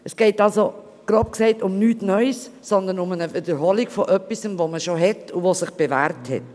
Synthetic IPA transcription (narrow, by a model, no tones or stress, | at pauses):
ɛsɡ̥ɛɪtɑlso | ɡ̥ɾɑp̚ksɛɪtʊmnyːtnœʏssɔnd̪ənʊmənəvɪdəɾɦɔliɡfoʔœpːisəmvoməʃoɦɛtuvosɪχb̥evæːɾthɛ̰t̚